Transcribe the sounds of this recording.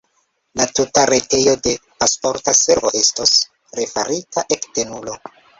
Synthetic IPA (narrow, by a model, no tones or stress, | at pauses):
latutaɾe̞te̞jo̞de̞paspo̞ɾtase̞ɾvo̞ʔe̞stos | ɾefaɾitaʔe̞kte̞nulo̞